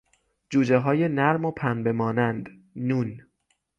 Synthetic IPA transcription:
d͡ʒuːd͡ʒeɦɒːjenæɾmopʰænbe̞mɒːnænd̪ | nun

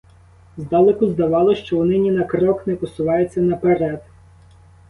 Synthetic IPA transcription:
zd̪ɑlˠekʊzd̪ɐʋɑlˠɔʃt͡ʃɔnɪnʲinɐkɾɔknɛpɔsʊʋɑjet͡sʲːɐnɐpeɾɛd̪

